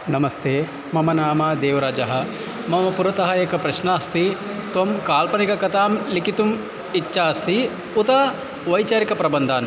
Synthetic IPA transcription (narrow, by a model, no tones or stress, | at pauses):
nɐmɐst̪ʰeː | mɐmɐnaːmaːd̪eːʋɐɾaːd͡ʒɐɦɐ̆ | mɐmɐpuɾɐt̪ɐɦɐjɐkɐpɾɐʃnaːst̪i | t̪ʋɐmkaːlpɐnikɐkɐt̪aːmlikit̪um | itːʃaːɐst̪i | ut̪aː | ʋɐjt͡ʃaːɾikɐpɾɐbɐnd̪ʱaːn